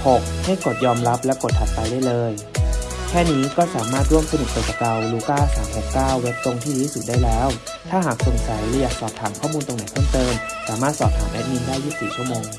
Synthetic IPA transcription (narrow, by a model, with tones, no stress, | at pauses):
ho˨˩k̚ha˥˩jko˨˩t̪̚jɔː˧mɾa˦˥p̚lɛ˦˥wko˨˩t̪ʰa˨˩t̪̚pa˧jdaː˥˩jlɤː˧j | kʰɛː˥˩niː˦˥kɔː˥˩saː˩˦maː˥˩t̪̚ɾu˥˩əmsʰa˧nɯ˨˩t̪̚peː˨˩t̪ːa˧˩ka˧wluː˨˦k̪aː˥˩saː˩˦mho˨˩kkaː˥˩wːe˦˥p̚t̪o˧ŋt̪ʰiː˥˩ɾuː˦˥sɯ˨˩k̚daː˥˩jlɛː˦˥w | t̪ʰaː˥˩ɦaː˨˩k̚so˨˧˩nsa˨˩˦jlɛː˨˧˥jaː˨˩k̚sɔː˨˩p̚t̪ʰaː˩˦mkʰɔː˥˩muː˧nt̪o˧ŋna˨˩˦jp̪ʰɤː˥˩mt̪ɤː˧msaː˩˦maː˥˩t̪̚sɔː˨˩p̚t̪ʰaː˩˦ʔɛ˦˥t̪̚ni˧ndaː˥˩jːuː˥˩siː˨˩t͡ɕʰu˥˩əmoː˧ŋ